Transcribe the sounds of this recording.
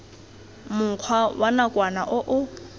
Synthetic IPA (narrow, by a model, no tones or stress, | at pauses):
mʊq͡χʰwawʔanakʼwanaʔʊʔʊ